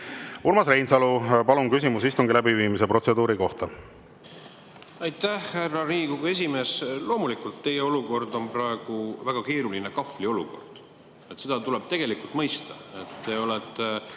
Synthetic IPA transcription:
ulmɑsrejnsɑlupɑlunkysimusist̪uŋɡilæbiviːmise̞pro̞t̪sed̪uːɾiko̞ht̪ɑ | ɑjt̪æhhærːɑɾiːkuɡue̞s̬ʲime̞ːslo̞ːmulikult̪ːe̞jeo̞luko̞rd̪o̞npɾɑeɡ̥uvæɡ̥ɑke̞ːɾulinekɑflio̞luko̞̰rd̪̥ | et̪se̞d̪̥ɑt̪uleb̥̚t̪e̞ɡ̥e̞likult̪mɤjst̪ɑet̪ːe̞o̞let̪ːˑe

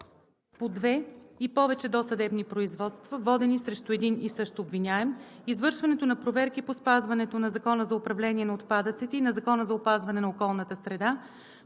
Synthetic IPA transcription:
pod̪vɛipɔvɛt͡ʃɛd̪ɔsɐd̪ɛbnipɾoizvɔt̪st̪vɐvɔd̪ɛnisɾɛʃt̪oɛd̪inisɤʃt̪obvinʲaɛmizvɤɾʃvɐnɛt̪onɐpɾovɛɾkipospazvɐnɛt̪onɐzɐkɔnəzɐʊpɾɐvlɛniɛnɐot̪pad̪ət̪sit̪ɛinɐzɐkɔnəzɐopazvɐnɛnɐokɔlˠnət̪əsɾɛd̪a

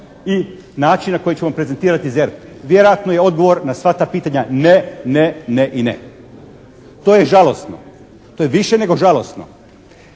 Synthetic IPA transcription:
i | naːt͡ʃinnako̞jit͡ɕeʋampɾezent̪iːɾat̪izeɾt̪ | ʋje̞ɾojat̪nojeo̞d̪̚ɡo̞ʋo̞ɾnasʋat̪aːpiːt̪aɲaneneneʔinḛ | t̪oːjeʒalo̞st̪no̰ | t̪ojeʋiʃene̞ɡo̞ʒalˠo̞st̪no̰

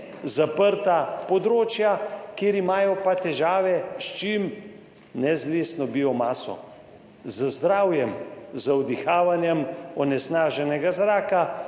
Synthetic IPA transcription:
zapəɾt̪apɔd̪ɾoːt͡ʃjakjeːɾimaːjɔpat̪ɛʒaːʋɛʃt͡ʃim | nɛzleːsnɔbiɔmaːsɔ̰ | zəzd̪ɾaːwjɛmzawd̪ixaːʋanjɛmɔnɛsnaːʒɛnɛɡazɾaːka

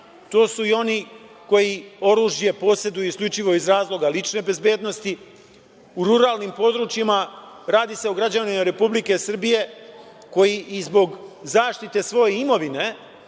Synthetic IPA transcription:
t̪o̞ːsuio̞niko̞jio̞ɾuːʒje̞po̞se̞d̪ujuiskʎʲut͡ʃiʋo̞izɾaːzlˠo̞ɡalit͡ʃne̞be̞zbje̞ːd̪no̞st̪i | uɾuɾaːlnimpo̞d̪ɾut͡ʃjimaɾaːd̪iseoɡɾad͡ʑanimaɾe̞publike̞sr̩bije̞ | ko̞jiʔizbo̞ɡzaːʃt̪it̪e̞sʋo̞je̞imo̞ʋine̞

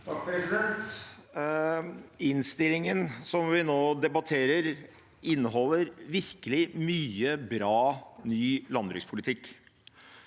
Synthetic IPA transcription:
t̪ʰɑk̚pɾɛsɪd̪ɛnt̪ | ɪnst̪ɪlɪŋənsɔmʋɪnoːd̪ɛbɑt̪ʰeːɾəɾ | ɪnːəɦɔlːəɾʋɪɾkəlɪmyːəbɾɑːnyːlɑnd̪ɾɪŋspʰʊlɪt̪ʰɪkː

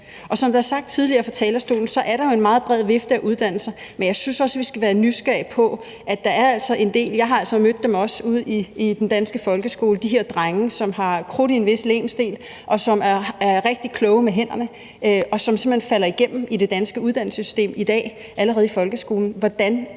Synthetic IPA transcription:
ʔɒ̽sɒmd̥eæɐsɑ̈ɡ̥̚d̥t͡sʰið̞ˠliɐːfɒ̽t͡sʰɛ̰ːlɐsd̥o̝̰ːln̩sɒ̽ʔæɐɾɑ̈jo̝e̝nmɑ̈ːð̞̩ˠb̥ʁɛð̞ˠʋe̝fd̥əæʔuð̞ˠd̥æn̰l̩sɐmenjɑ̈ɪsynsɒ̽səʋisɡ̥æʋæːɐnysɡ̥æɐ̰ipʰɒ̽ | ʔæd̥ɑ̈æɐæl̰sɒ̽ʔe̝nd̥e̝̰ːljɑ̈ɪɦɑ̈æl̰sɒ̽mød̥ːemɒ̽suð̞̰ˠiid̥end̥ænsɡ̥əfɒ̽lɡ̥əsɡ̥o̝ːləd̥iɦe̝ɐd̥ʁaŋəsɒ̽mɦɑ̈kʰʁuɾ̥ie̝nʋe̝slḛːmsd̥e̝̰ːl | ʔɒ̽sɒ̽mæɐæɐʁeɡ̥̚d̥ikʰlɔ̽ːʊmeɦen̰ɐnə | ʔɒ̽sɒ̽mse̝m̩̥ḛnfælɐiɡ̥em̰m̩id̥e̝d̥ænsɡ̥əuðˠd̥æn̰l̩səsy̥sd̥e̝̰ːmid̥ɛ̰ː | ʔæləʁɛːð̩ˠifɒ̽lɡ̥əsɡ̥o̝ːln̩ʋɒd̥æn

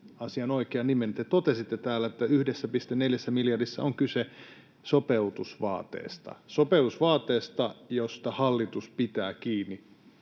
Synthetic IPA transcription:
ɑsiɑnoikeɑnniment̪et̪ot̪esit̪ːet̪æːlːæet̪ːæyhdesːæpist̪enneljæsːæmiljɑrdisːæ̰oŋkyse | sopeut̪usʋɑ̰ːt̪ḛːst̪ɑ̰sopeut̪usʋɑːt̪ːˑeːst̪ɑjost̪ɑhɑlːit̪uspit̪æːkiːnːi

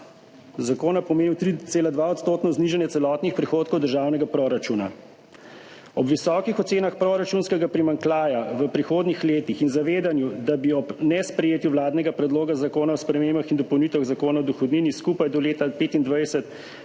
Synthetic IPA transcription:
zakoːnapɔmeːniwt̪ɾit̪seːlad̪ʋaɔt̪st̪oːt̪nɔzniʒanjɛtsɛlɔt̪nixpɾixoːt̪kɔwd̪əɾʒaːwnɛɡapɾoɾat͡ʃuna̰ | ɔbʋisɔkixɔt̪seːnaxpɾoɾat͡ʃunskɛɡapɾimaŋklaːjaʋəpɾixoːd̪nixleːt̪ixinzaʋeːd̪anjud̪abiɔbnɛspɾɛjeːt̪juʋlaːd̪nɛɡapɾɛd̪loːɡazakoːnaɔspɾɛmeːmbaxind̪ɔpɔwnit̪ʋaɣzakoːnaɔd̪uxɔwd̪niniskupajd̪ɔleːt̪apeːt̪ind̪ʋajsɛt̪

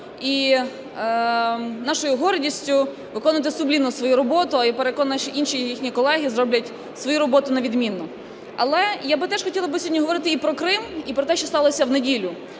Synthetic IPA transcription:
i | nɑʃɔjʊɦɔɾdʲisʲtʲʊ | ʋɪkɔnʋɐt̪ɪsʊblʲinʊsʋɔjuɾɔbɔt̪ʊɐjapeɾekɔnːʃt͡ʃɔʔinʃijixnʲikɔlˠɛɦʲizɾɔblʲɐtʲ | sʋɔjuɾɔbɔt̪ʊnɐʋʲid̪mʲinːɔ | ɐ̰lˠɛjabɪt̪ɛʒ̥xɔtʲilˠɐbɪsʲɔdʲːɔɦɔʋɔɾɪt̪ɪipɾɔkɾɪmipɾɔt̪ɛʃt͡ʃɔst̪ɑlˠɔsʲɐwnedʲilʲʊ

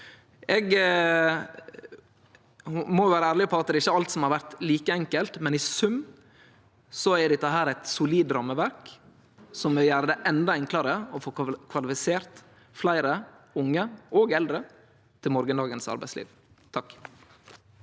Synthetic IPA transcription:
ɛɡ | mɔʊʋæːɾəæːɾlɪpʰɔɑt̪̚d̪ɛːɪçːəɑlt̪sɔmhɑɾʋæɾt̪liːkəɛŋkəlt̪mɛnɪsʉmː | sɔɛd̪ɪt̪ːəɦæːɾæt̪sʊliːd̪ɾɑmːəʋæɾk | sɔmːɛjæːɾəd̪ɛʔɛnd̪ɑɪŋkʰlɑɾəɔfoːkʰʋɑlɪfɪseːɾt̪ | flæɪɾə | ʊŋːəɔɡɛld̪ɾə | t̪ʰɪlmɔɾɡənd̪ɑːɡənsɑ̰ɾbæɪslḭːʋ | t̪ʰɑk

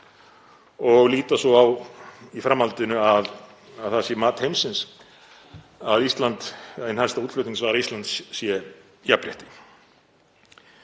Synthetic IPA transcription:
ɔɣliːt̪asɔawifɾamːhalt̪ʏnʏað | aðθasjɛmaːt̪hejmsɪns | aðist̪lant̪ɪnhaɾst̪auːt̪l̥œʏt̪iŋksvaːɣɾaist̪ant̪ssjɛ | japɾjɛ̰ht̪ɪ̥

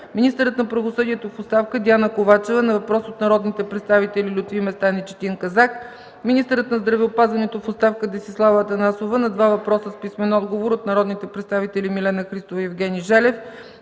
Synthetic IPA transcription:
minʲist̪əɾət̪nɐpɾɐvosɤd̪iɛt̪ofotst̪afkəd̪ʲianəkovat͡ʃɛvənɐvɐpɾɔsot̪nɐɾɔd̪nit̪ɛpɾɛt̪st̪avit̪ɛlilʲʊt̪vimɛst̪anit͡ʃɛ̥t̪iŋkɐzak | minist̪əɾət̪nɐzd̪ɾɐvɛopazvɐnɛt̪ofotst̪afkəd̪ɛsislˠavət̪ɐnasovənɐd̪vavɐpɾɔsəspismɛnɔd̪ɡovoɾot̪nɐɾɔd̪nit̪ɛpɾɛt̪st̪avit̪ɛlʲimilɛnəxɾist̪ovəjɛvɡʲɛniʒɛlɛf

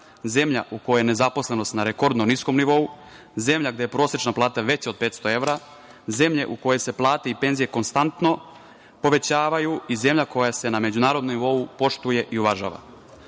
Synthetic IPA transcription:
ze̞mʎa̰ʔuko̞jene̞zapo̞sle̞no̞st̪naɾeko̞ɾd̪nonisko̞mniʋo̞u | ze̞mʎaɡd̪e̞jepɾo̞ːsjet͡ʃnaplˠaːt̪aʋe̞t͡ɕeod̪̚pe̞ːt̪st̪o̞e̞ʋɾa | ze̞mʎe̞̰ʔuko̞je̞se̞plˠaːt̪e̞ipe̞nzije̞ko̞nst̪ant̪no̞ | po̞ʋe̞t͡ɕaːʋajuize̞mʎako̞jase̞name̞d͡ʑunaːɾod̪nomniʋo̞upo̞ʃt̪uje̞ʔiuʋaʒa̰ːʋa̰

